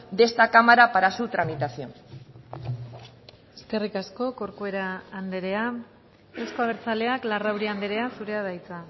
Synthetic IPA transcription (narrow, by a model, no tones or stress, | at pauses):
d̪e̞st̪akamaɾapaɾasut̪ɾamit̪asio | e̞ske̞rikasko̞ko̞ɾkue̞ɾaːnd̪e̞ɾe̞a | esko̞aβ̞e̞ɾt͡sale̞aklarawɾiand̪e̞ɾe̞asuɾe̞að̞ajt͡sa